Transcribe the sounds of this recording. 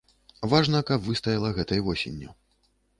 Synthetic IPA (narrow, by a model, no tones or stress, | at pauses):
vaʐnɐkɐbvɨst̪ɐjɐlˠɐɣɛt̪ɐjvɔsʲḛnʲːu